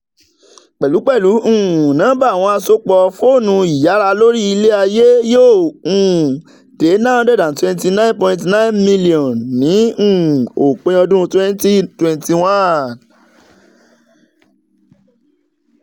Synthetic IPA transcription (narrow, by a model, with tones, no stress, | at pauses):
k͡pɛ˨lu˨˦k͡pɛ˦˨lũ˨˦˨nãː˨˦ba˦˨w̃ɔ̃˧a˧so˦k͡pɔ˧fo˦˨nũ˧i˨ja˨˦ɾa˧lo˦ɾi˦i˧le˦a˧je˦jo˦˨ũ˨ | d̥e˨˦nã˦˧˦dɛ˦˨dã˨twɛ̃˧nti˧nã˦ĩ˦npɔ̃˧ĩ˧ntnã˦i˦nmĩ˦li˨ɔ̃˨nnĩ˨˦˨o˨k͡pẽ˧ɔ̃˧dũ˦ɾũ˧twɛ̃˦n˦ti˦twɛ̃˧nti˧wã˦˨n